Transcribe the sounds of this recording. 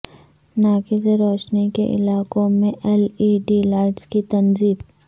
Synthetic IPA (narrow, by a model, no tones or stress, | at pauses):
naːkɪzeɾoːʃnikḛʔɪ̰laːkõmẽʔeliːɖilaːɪʈskit̪ɐnziːb